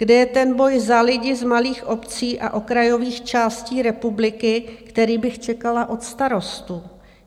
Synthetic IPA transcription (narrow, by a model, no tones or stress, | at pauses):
ɡ̥dɛjɛt̪ɛnbo̞jzalɪɟɪzmaliːxʔo̞pt͡siːʔa̰ʔo̞kɾajo̞viːxt͡ʃaːsciːɾɛpublɪkɪkt̪ɛɾiːbɪxt͡ʃɛkalaʔo̞t̪st̪aɾo̞st̪u